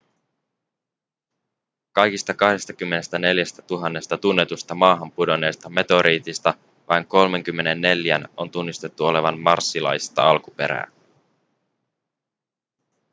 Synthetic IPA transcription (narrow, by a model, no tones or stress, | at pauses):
kɑjkist̪ɑkɑhde̞st̪ɑkymːe̞ne̞st̪æne̞ljæst̪æt̪uɦɑnːe̞st̪ɑt̪unːe̞t̪ust̪ɑmɑːɦɑmpudo̞ne̞ːst̪ɑme̞t̪o̞ɾʔiːt̪ist̪ɑ | ʋʔɑjŋko̞lme̞ŋk̟ymːe̞ne̞nːe̞ljæno̞nt̪unːist̪e̞t̪ːuo̞le̞ʋɑnmɑrsːilɑ̰jst̪ɑ̰ɑlkupe̞̰ɾæ̰ː